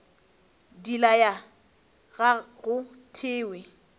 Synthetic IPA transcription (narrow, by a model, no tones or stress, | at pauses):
dilaja | ɣaɣʊ | tʰɪːwɪ